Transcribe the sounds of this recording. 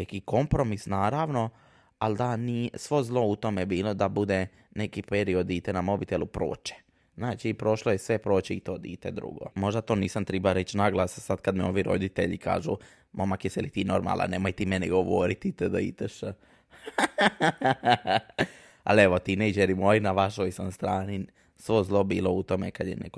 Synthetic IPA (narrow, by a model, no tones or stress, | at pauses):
nekiko̞mpɾomisnaːɾaʋno̞ | ald̪anisʋo̞zlˠo̞ut̪o̞mebiːlo̞d̪abud̪e | nekipeɾio̞d̪iːt̪enamo̞bit̪elˠupɾo̰ːt͡ʃe̥ | znaːt͡ʃipɾo̞ʃlˠojesʋe̞pɾoːt͡ʃeit̪oːd̪ḭːt̪ed̪ɾṵɡo̞̰mo̞ʒd̪at̪o̞ːniːsamt̪ɾɛbaɾet͡ʃnaɡlˠasasad̪kad̪mɛo̞ʋiɾo̞̰d̪it̪ḛʎika̰ːʒu | mʔomakesɛlit̪iːno̞ɾma̰la̰nemojt̪imeniɡo̞ʋoɾit̪it̪ed̪aḭt̪eʃ | a̰leʋot̪inejd͡ʒeɾimojinaʋaʃojsanst̪ɾaːni | sʋo̞zlˠo̞biːlˠo̞ut̪o̞mekad̪jenḛko